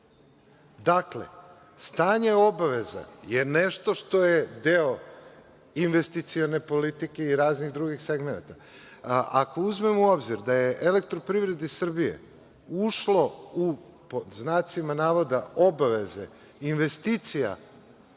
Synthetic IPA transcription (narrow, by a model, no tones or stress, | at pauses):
d̪akle̞̰ | st̪aːɲe̞o̞baʋe̞za̰jeneʃt̪o̞ʃt̪o̞jed̪eo | inʋest̪it̪sione̞po̞lit̪ike̞iɾaːzniɣd̪ɾuɡixseɡmena̰t̪a | ʔako̞uzme̞muo̞bziɾd̪ajeʔele̞k̚t̪ɾopɾivɾe̞d̪isr̩bijḛ | uʃlo̞u | poznaːt̪simanaːʋod̪ao̞baʋe̞zḛ | inʋe̞st̪it̪sija̰